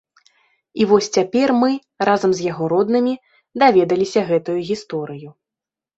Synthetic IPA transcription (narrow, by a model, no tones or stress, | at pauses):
ivɔsʲt͡sʲapʲɛrmɨ | razɐmzʲjaɣɔɾɔd̪nɨmʲi | d̪avʲɛd̪ɐlʲisʲɐɣɛt̪ujuɣʲist̪ɔɾɨju